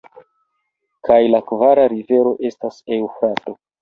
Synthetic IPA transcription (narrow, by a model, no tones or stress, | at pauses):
kʰajlakvaɾaɾive̞ɾo̞ʔe̞stase̞wfɾato̞